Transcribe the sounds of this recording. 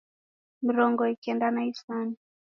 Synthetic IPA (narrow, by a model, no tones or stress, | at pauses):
m̩ɾɔŋɡɔikiɛndanaifani